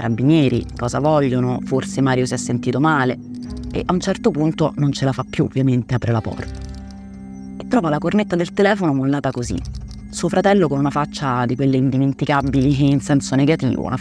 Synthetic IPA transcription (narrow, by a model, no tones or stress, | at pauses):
ɾa̰bːinjɛːɾḭkɔːza̰vɔʎːonoforsemaːɾjosiɛsːent̪iːt̪omaːle | ḛʔaunt͡ʃɛrt̪opunt̪onont͡ʃelafapːjuo̰vːjament̪eapɾelapɔ̰ːr | et̪ːɾɔːvalakornet̪ːad̪elt̪elɛːfonomolːaːt̪akozḭ | suːofɾat̪ɛlːokonunafat͡ʃːad̪ikwelːeind̪iment̪ikabːiliinsɛnsoneɡat̪ḭːvo̰ṵna